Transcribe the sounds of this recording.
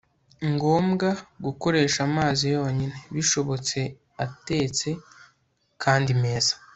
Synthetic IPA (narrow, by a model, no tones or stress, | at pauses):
ŋɡo̞ːmɡaɡuko̞ɾe̞ːʃamaːzijo̞ːɲine̞βiʃo̞βo̞t͡se̞ | ate̞ːt͡se̞ | kʰaːndime̞ːz̥ḁ